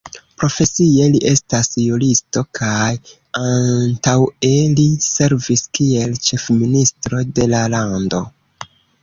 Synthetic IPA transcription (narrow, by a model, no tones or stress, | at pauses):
pɾo̞fe̞sie̞liʔe̞stasjulisto̞kʰaj | antawe̞lise̞ɾviskie̞lt͡ʃe̞fministɾo̞de̞lalando̞